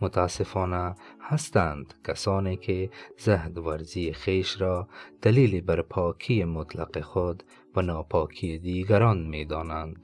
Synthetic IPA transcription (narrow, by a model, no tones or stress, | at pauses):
mʊt̪ʰaːsefɔːnahast̪and̪kʰasɔːnekʰezahd̪væɾzieχeʃɾɔːd̪̥aliːlibaɾpʰɒːkʰiemʊt̪la̰qeχod̪ | vanɒːpʰɒːkʰied̪iːɡaɾɔnmed̪ɔːnand̪